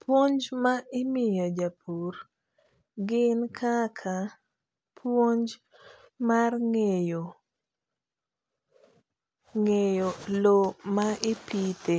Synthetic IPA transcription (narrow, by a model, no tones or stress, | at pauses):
pwoɲd͡ʒmaʔɪmɪjod͡ʒapʰur | ɡɪnkʰakʰa | pʰwoɲd͡ʒ | marŋejo | ŋejolomaʔɪpite